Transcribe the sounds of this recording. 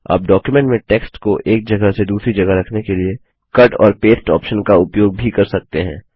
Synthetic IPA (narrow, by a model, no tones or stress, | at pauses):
a̰ːp̚ɖɔːkjumɛ̃ɳʈmẽʈeːksʈkoʔeːk̚d͡ʒɐɡəsed̪uːsɾid͡ʒɐɡəɾɐkʰnekelie | kɐʈɔ̰ːɾpeːsʈɔːpʃənkaʊpjoːɡ̚bʱikɐɾsɐk̚t̪eɦɛ̰̃ː